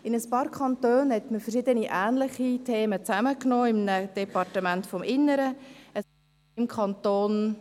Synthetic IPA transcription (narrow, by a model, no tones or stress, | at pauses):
ɪnəspɑːɾkʰɑntøːnhɛtməfəʃɪdəniʔæːnlɪχitʰeːmət͡sæməknoːɪmnəd̥ɛpɑrtəmæntfɔmʔɪnːəɾəə | mkʰχɑntoːn